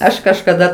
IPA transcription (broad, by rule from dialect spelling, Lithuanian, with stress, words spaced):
ˈɐʃ kɐʃkɐˈdɐ